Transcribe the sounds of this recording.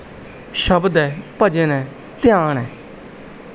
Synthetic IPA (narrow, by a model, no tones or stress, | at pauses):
ʃəbd̪ɛːpəd͡ʒẽːnɛ̃ː | t̪ɪjaːɳɛː